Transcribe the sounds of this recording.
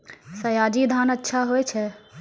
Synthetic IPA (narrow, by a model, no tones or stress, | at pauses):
sɐjaːd͡ʑid̪ʱaːnɐtːʃʰaɦuet͡ʃʰe